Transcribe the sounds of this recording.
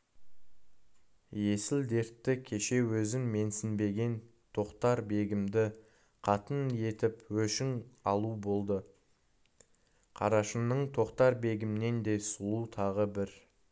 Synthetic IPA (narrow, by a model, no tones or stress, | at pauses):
je̞sɪld̪e̞ɾt̪ːɪkʲʰe̞ʃe̞wɵzɪŋme̞nsɪnbe̞ɡʲe̞n | t̪ʰo̞qt̪ɑɾbe̞ɡʲɪmd̪ɪ | qʰɑt̪əne̞t̪ɪpwɵʃɪŋɑlˠubo̞lˠd̪ə | qʰɑ̰ɾɑʃənəɴt̪ʰo̞qt̪ɑɾbe̞ɡʲɪmne̞nd̪e̞jsulˠut̪ʰɑʁəbɪɾ